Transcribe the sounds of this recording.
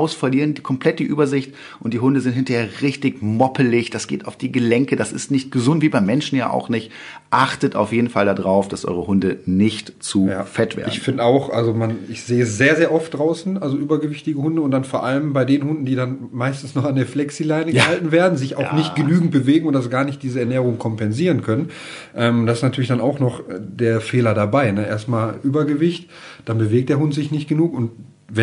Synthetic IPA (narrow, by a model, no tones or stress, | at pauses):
aʊsfɐliːʁəndkʰɔmpl̥ɛt̚d̥iːʔyːbɐzɪçt | ʔʊnt̚d̥iːɦʊndəzɪnthɪntɐheːɐʁɪçtɪçmɔpʰəlɪçd̥asɡ̥ḛːtaʊfd̥iːɡəlɛŋkədasɪ̰stnɪçt̚ɡ̥əzʊntv̥iːbaɪmɛnʃn̩ja̰ːʔa̰ʊxnɪçt | ʔaχtətʔa̰ʊfjeːdn̩faldadʁaʊfd̥asʔɔ̰ʏʁəhʊndənɪçtt͡suːfɛtv̥ḛɐɪdçnfɪndəaʊxʔa̰lzomanɪçz̥eːəəszeːɐzeːɐʔɔft̚d̥ʁaʊsn̩ʔalzoʔyːbɐɡəvɪçtɪɡəhʊndəʊnt̚d̥anfoːɐʔaləmbaɪdeːnənhʊndn̩diːdanmaɪstn̩snɔχandeːɐflɛksilaɪnəɡəhaltn̩veːɐdn̩zɪça̰ʊnɪçt̚ɡ̥ənyːɡŋ̩t̚b̥əveːɡŋ̩ʊntd̥as̬ɡ̥aːɐnɪçt̚d̥iːzəɛɐnɛːʁ̞ʊŋkʰɔmpɛnziːʁ̞ənkʰœnən | ʔɛːmʊntd̥asɪsnatʰyɐlɪçd̥anaʊxnɔχd̥eːɐfeːlɐdabaɪnəʔḛːɐstmaːlʔyːbɐɡəvɪçt | d̥anbəveːk̚td̥eɐʊntz̥ɪçnɪçt̚ɡ̥ənuːkʊnt | vɛ